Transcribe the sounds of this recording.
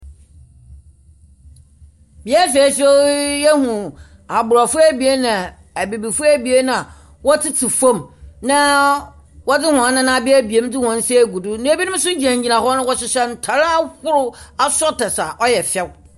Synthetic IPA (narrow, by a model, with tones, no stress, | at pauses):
bi˨ɛ˦fe˨˦sɛ˦jɛ˦hũ˨ | a˨bʊ˨ɾa˨fʊ˦æ˦˨bi˨e˦nã˨ | æ˨bi˨bi˨fʊ˦æ˦bi˨e˦nã˦a˨ | wɔ˦tʰɪ˦tʰɪ˨fõ˦˨mnã˦ | wɔ˦dɪ˦hʊ̃˨a˨˦nːã˦nã˦˨bɪ˦æ˦bi˨e˦m˦dɪ˦hɔ̃˨˦n̩˦si˦æ˦˨ɡu˨dʊ˦nɪ̃˦e˦bi˦nɪ̃˦m˦sʊ˦d͡ʑi˨ã˨ɲ˨d͡ʑi˨nã˨hɔ˦nʊ̃˦wɔ˦sɪ˨ɕɛ˦n̩˨tʰa˨ɾa˦a˦kʊ˦ɾʊ˦a˦sɔ˦tɛ˨sa˨ʔɔ˦jɛ˨fɛ˦˨w